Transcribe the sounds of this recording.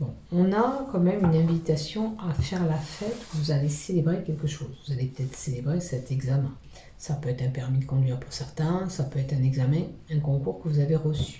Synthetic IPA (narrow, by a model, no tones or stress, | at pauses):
bɔ̃ɔ̃nakɑ̃mɛmynɛ̃vit̪asjɔ̃afɛʁlafɛt̪vuzaleselebʁekʲɛlkəʃoːzvuzalepə̥t̪ɛt̪χə̥selebʁesɛt̪ɛɡzamɛ̃ | sapøɛt̪χɛ̃pɛʁmikɔ̃d̪ɥɛʁpuʁsɛʁt̪ɛ̃sapøɛt̪χɛ̃nɛɡzamɛ̃ɛ̃kɔ̃kuʁkəvuzaveʁəsy̥